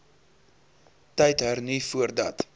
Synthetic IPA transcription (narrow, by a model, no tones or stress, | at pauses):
tɛjtɦərnifuərdɐ̰t